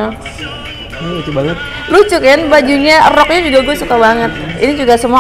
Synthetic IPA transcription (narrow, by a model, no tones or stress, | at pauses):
lut͡ʃubaŋət̪̚ | lut͡ʃʊkanbad͡ʒuɲarɔk̚ɲad͡ʒuɡaɡuasukabaŋət̪̚inid͡ʒuɡasəmua